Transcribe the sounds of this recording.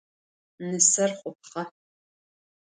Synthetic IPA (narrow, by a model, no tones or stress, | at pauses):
nɨsɐrχʷʼʊp̚χɐ